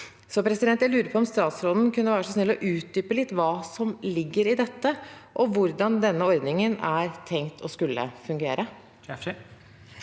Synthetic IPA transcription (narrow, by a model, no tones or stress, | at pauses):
sɔpʰɾɛsɪd̪ɛnt̪jæɪlʉːɾəpʰɔɔmst̪ɑːt̪sɾoːd̪n̩kʉnːəʋæːɾəʂsɔsnɛlːɔʔʉːt̪̚d̪yːpəlɪt̪ːʋɑːsɔmlɪɡːəɾɪd̪ɛt̪ːəʔɔʋʊɾd̪ɑnd̪ɛnːəɔɾd̪nɪŋənæɾt̪ʰɛŋt̪ʰɔskʉlːə̰fʉŋɡeːɾʔə